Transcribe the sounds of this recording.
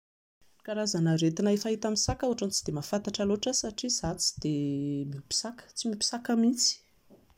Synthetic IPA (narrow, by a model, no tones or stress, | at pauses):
kaɾazanaɾet̪inaefaɦit̪amisakauɦaʈ͡ʂant͡sid̪̥emafant̪aʈ͡ʂaloʈ͡ʂasaʈ͡ʂiz̥at͡si̥d̪̥emipi̥sakə̥t͡simipi̥sakamit͡si̥